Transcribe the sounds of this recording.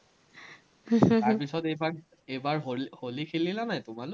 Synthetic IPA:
aɹpisɔtejbaɹ | ejbaɹɦolholikʰililanajtʊmalʊ

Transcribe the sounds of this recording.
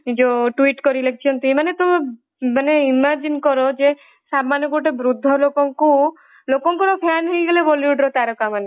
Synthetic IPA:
d͡ʒoʈuiʈkɔɾilekʰit͡ʃʰɔnt̪iimanet̪ɔme | maneimaɾd͡ʒinkɔɾod͡ʒe | samanɔɡuʈebɾud̪ʱːɔlokɔŋku | lokɔŋkɔɾɔpʰanɦejɡeleboliuɖɾot̪aɾɔkamane

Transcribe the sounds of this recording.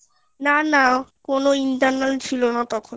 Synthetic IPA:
nanakonoinʈaɾnalt͡ɕʰilonat̪ɔkʰon

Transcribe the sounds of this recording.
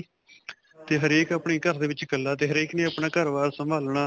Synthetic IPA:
t̪eːɦəɾeːkaːpɳĩːkəɾd̪eːʋɪt͡ʃkəlːaːt̪eːɦəɾeːkneːaːpɳaːkəɾʋaːɾsəmbʱaːlɳaː

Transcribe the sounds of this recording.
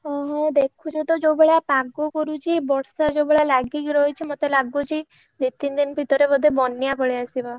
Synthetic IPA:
ɔɦɔ̃d̪ekʰud͡ʒet̪ɔd͡ʒowbeɭapaɡokɔɾut͡ʃʰibɔɽsad͡ʒowbeɭalaɡikɾɔjt͡ʃʰimot̪elaɡut͡ʃʰi | d̪it̪ːind̪inbʱit̪ɔɾebɔd̪ʱebɔnːjapɔɭeasibɔ

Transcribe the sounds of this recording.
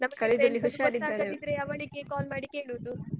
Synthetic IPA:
nɐmɐkɐɭeɐlːiɦuʃaːɾid̪aaːɾɐeid̪ɾejaːʋaːɭiɡekaːlmaːɽikeːɭoːd̪u

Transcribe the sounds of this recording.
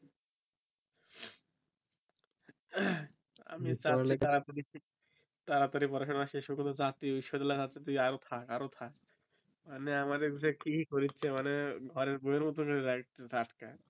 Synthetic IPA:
a̰mit͡ɕaaet̪aɾat̪aɾi | t̪aɾat̪aɾipɔɾaʃonaʃeeʃɔbkɔnt̪od͡ʑat̪iiʃɔd̪alatatːt͡ɕʰet̪uiaɾot̪ʰakaɾot̪ʰak | maneamaɾeɡusekikikoɾitːʰimaneɡʱɔɾeɾbojeɾmɔt̪̬okoɾiɾɾaʈka

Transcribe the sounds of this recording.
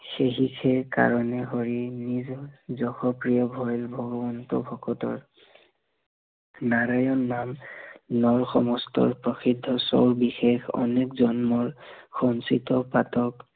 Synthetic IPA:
xeɦikʰɛka̰ɹɔnɛɦɔɹinizɔzɔxɔpɹijɔbʱɔjlbʱɔɡɔbɔntɔ̰bʱɔkɔtɔ̰ɹ | naɹajɔnːamnɔɹxɔmɔstɔ̰ɹpɹɔxidʱːɔso̰wɹbixexɔ̰nekzɔnmɔɹxɔnsitɔpatɔk

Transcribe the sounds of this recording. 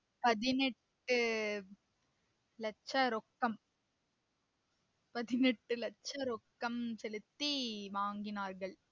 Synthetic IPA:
pɐðɪnɛʈːɯ | lɐt͡ʃːɐɾɔkːɐm | pɐðɪnɛʈːɯlɐt͡ʃːɐɾɔkːɐmsɛlɯt̪ːiʋaːŋɡɪnaːɾɣɐɭ

